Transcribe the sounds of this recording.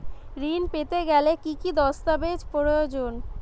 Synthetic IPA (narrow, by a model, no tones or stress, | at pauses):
ɾinpet̪eɡɛlekikid̪ɔst̪abed͡ʑpoɾojod͡ʑon